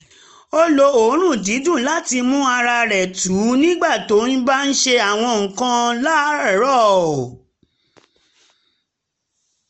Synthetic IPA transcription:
o˦lo˧o˨˦ɾ̃ũ˦˨di˨˦dũ˦˨la˦ti˧mũ˦a˧ɾa˧ɾɛ˨tu˨˦nĩ˦ɡ͡ba˦˨to˨˦n̩˦ba˦n̩˦ʃe˧a˨w̃ɔ̃˧ŋ̩̃˨kã˧la˦˨˦ɾɔ˦˨

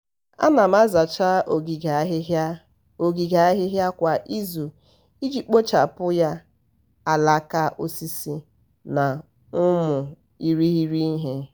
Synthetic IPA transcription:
a̰˦na˨ma˦za˨t͡ʃa˦o˨ɡi˨ɡa˨ɦ | o˨ɡi˨ɡa˨a˦ɦɪ˦ɦja˦kʷa˨ʔi˦zu˨ | i˦d͡ʒi˨k͡po˦t͡ʃa˨pʊ˦ja˦ | a˨la˦ka˦ʔo˦si˦si˦ | na˨ | ʊ˦mʊ˨ | i˦ɾi˦ɦi˦ɾi˦ɦe˦

